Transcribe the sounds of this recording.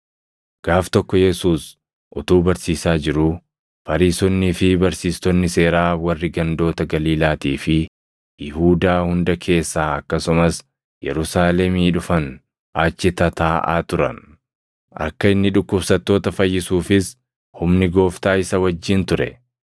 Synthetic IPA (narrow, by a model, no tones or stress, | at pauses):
ɡ̥aːft̪ɔkːɔjɛsuːs | ʔʊt̪uːbɐɾsiːsaːd͡ʒɪɾʊ | fɐɾiːsɔnːɪfɪbɐɾsiːst̪ɔnːɪse̞ːɾaːwɐrːɪɡɐnd̪o̞ːt̪ɐɡɐliːlaːt̪iːfɪ | jɪhuːd̪aːhʊnd̪ɐkʰe̞ːsːaːɐkːɐsʊmɐs | jɛ̰ɾʊsaːlɛmiːᶑʊfɐn | aːt͡ʃːɪt̪ɐt̪aːʔa̰ːt̪ʊɾɐ̰n | ʔɐ̰kːɐɪnːɪᶑʊkːʊbsɐt̪ːo̞ːt̪ɐfɐjːɪsuːfɪs | hʊmnɪɡo̞ːft̪aːɪsɐwɐd͡ʒːɪnt̪ʊɾɛ̰